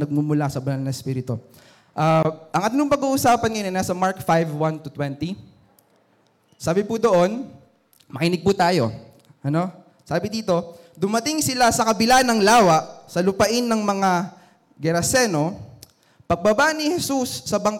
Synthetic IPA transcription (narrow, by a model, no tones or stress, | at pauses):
nɐɡ̚mʊmʊlasɐbɐnɐlnɐɛspiːɾɪt̪o | ʔaʔɐŋʔɐt̪noŋpɐɡuːʔʊsaːpɐnŋɐjonɐnaːsɐmaɹkfajvwant̪ʊt̪wɛnt̪i | saːbɪpud̪o̞ʔo̞n | mɐkinɪɡ̚put̪aːjo̞̰ | ʔɐno̞ | saːbɪd̪iːt̪o̞ | d̪ʊmɐt̪ɪŋsɪlasɐkɐbɪlanɐŋlaːwɐʔsɐlʊpɐʔɪnːɐŋmɐŋa | ɡɛɾɐsɛno̞ | pɐɡ̚bɐbanɪhɛsusːɐbɐŋk